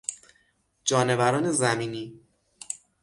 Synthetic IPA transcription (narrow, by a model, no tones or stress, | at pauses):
d͡ʒɒːnevæɾɒːne̞zæmiːniː